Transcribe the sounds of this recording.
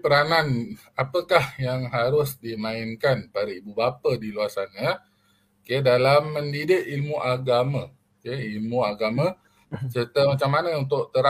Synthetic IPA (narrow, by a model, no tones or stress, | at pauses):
pəɾanan | apəkahjaŋɦaɾʊsdimãɪnkanpadaibubapədiluasanɲə | okedalamːəndidɪʔilmuʔaɡamã | keilmuaɡama | sərt̪əmat͡ʃamːanəunt̪ʊʔt̪əɾa